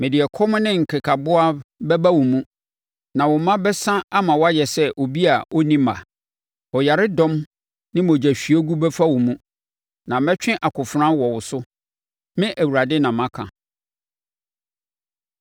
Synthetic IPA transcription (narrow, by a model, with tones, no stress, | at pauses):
mɪ̃˨dɪ˨ɛ˨kʰɔ˦mʊ̃˦nɪ̃˦ŋ̩˨kʰɪ˨kʰa˨bʊ˦a˦bɛ˦ba˦wɔ˨mũ˦ | nã˨wɔ˨mã˦bɛ˦sã˦a˦mã˨wɔ˦a˦jɛ˨sɛ˦ʔo˨bi˦a˨ʔo˦nĩ˦ma̰˨ | ɔ˨ja˨ɾɪ˦dɔ̃˦m | nɪ̃˦mõ˨d͡ʑæ˨ɕᶣi˨ɔ˦ɡu˦bɛ˦fa˦wɔ˨mũ˦ | nã˨mɛ˦t͡ɕᶣɪ̃˦ʔa˨kʰʊ˨fɾã˦wɔ˨wʊ˨sʊ˦ | mɪ̃˦ʔæ˨wu˨ɾa˨dɪ˦nã˨mã˦kʰã̰˨